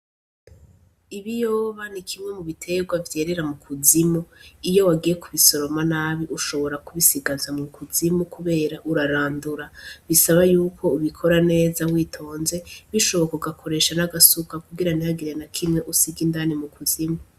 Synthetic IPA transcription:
iβijo̞ːβanikʰimŋe̞muβitʰe̞ɡwavje̞ːɾe̞ɾamukʰuzimuijo̞waɡije̞kuβiso̞ɾo̞manaːβiʔuʃo̞βo̞ɾakuβisiɡazamŋukuzimukuβe̞ːɾaʔuɾaɾaːnduɾaβisaβajuːkʰo̞uβikʰo̞ɾane̞ːzawiːtʰo̞ːnze̞βiʃo̞βo̞kuɡakʰo̞ɾe̞ːʃanaɡasukakuɡiɾanihaɡiɾenakʰimŋe̞ʔusiɡindaːnimukuzimu

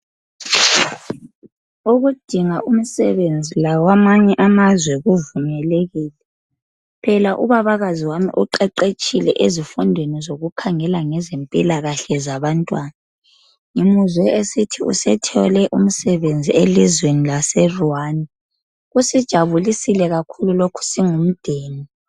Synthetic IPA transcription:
uɣud̥ʱiŋaʔum̩sɛβend͡zʱilawamaɲɛʔamazwɛɣuvumɛleɣiːlɛ | pʰɛlaʔṵβaβaɣaziwamḭʔuǃɛǃet͡ʃʼilɛ̰ʔezifundʱwenizoɣukʰaŋɛlaŋɛzempʼilaɣaɬɛzaβantʼwaːna | ŋimuzwɛesitʰiṵsɛtʰɔlɛʔum̩sɛβend͡zʱielizwenilasɛruani | ɣusid̥ʒ̥ʱaβulisilɛɣakʰululokʰu̥siŋum̩d̥ʱeːni

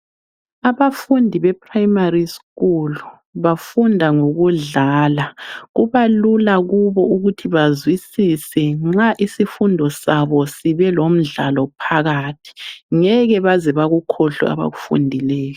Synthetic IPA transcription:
aβafundʱiβɛpʰʼrajmariskulu | βafundʱaŋoɣuɮaːlaɣuβalulaɣuβɔuɣutʰiβazwisisɛŋ͡ǁaʔisifundʱɔsaβɔsiβɛlom̩ɮalɔpʰaɣaːtʰi̥ŋɛɣɛβazɛβaɣukʰɔɬɔ̰a̰βa̰ɣufṵndʱilɛːjɔ

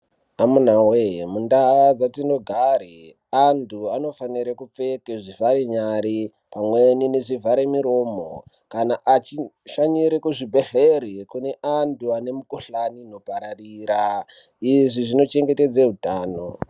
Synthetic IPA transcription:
amun̤awemundad͡zatino̞ɡʱaɾi | antʰuano̞faniɾakup͡fe̞keʐivʱaɾeɲaɾi | pamwenineʐivʱaɾemiɾo̞ːmo̰ | kanaʔat͡ʃiʃaɲiɾekuʐibʱe̞ɬeɾikune̞ʔantʰuane̞mukuɬanino̞paɾariːɾa | iʐiʐino̞t͡ʃe̞ŋɡe̞te̞d͡zeɦutaːno̞

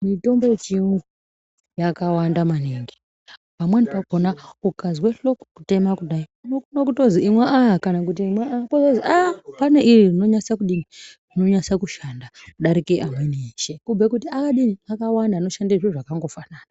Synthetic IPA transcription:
mito̞mboet͡ʃimwe | jakawandamaneŋɡe̥ | pamwenipakonaukazweɬo̞kkute̞makuɗaiunokunok̬utoziimwaaakanak̬ut̬imweakozoziapane̞ʔiririno̞ɲasakuɗinirino̞ɲasakuʃandauɗaɾikeʔamweniʃekub͡vekutiakaɗiniakawandaːno̞ʃandeʐeʐakaŋɡo̞fanaːna

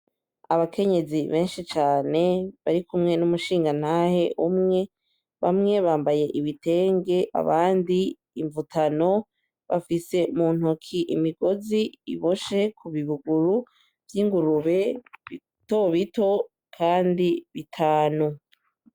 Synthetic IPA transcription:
aβakʰe̞ɲe̞ziβe̞ːnʃit͡ʃaːne̞βaɾikumŋe̞numuʃiːŋɡan̥haːhe̞ʔumŋe̞ | βamŋe̞βaːmbaje̞ʔiβite̞ːŋɡe̞ʔa̰βaːndiː | ɱvutʰano̞ | βa̰fise̞umuːn̥hokʰiʔimiɡo̞ziḭβo̞ʃe̞kʰuβiβuɡuɾu | vjiːŋɡuɾuβe̞βi | to̞βito̞ | kʰaːndiβitʰaːnu

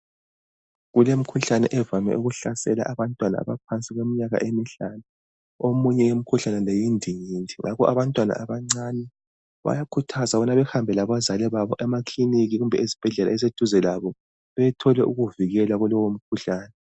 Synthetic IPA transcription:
ɣulem̩kʰuɬanɛ̰ʔɛvamɛ̰ʔuɣuɬasɛla̰ʔaβantʼwana̰a̰βapʰant͡sʼiɣwemiɲaɣa̰ʔemiɬana | omuɲɛjem̩kʰuɬanɛlejindʱiɲiːntiŋʔa̰kɔʔaβantʼwana̰ʔaβaŋ͡ǀaːnɛ | βa̰jakʰutʰazaβɔnaβɛxambʱɛlaβazalɛβaβɔʔɛmakliniɣiɣumbʱɛizib̥ʱɛɮɛla̰ɛzed̥ʱuzɛlaβɔ | βɛtʰɔlɛʔuɣuviɣɛlaɣulɔwom̩kʰuɬaːnɛ

